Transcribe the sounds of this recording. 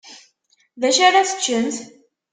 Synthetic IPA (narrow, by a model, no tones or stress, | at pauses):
ðæʃaɾaθə̥t͡ʃːənt̪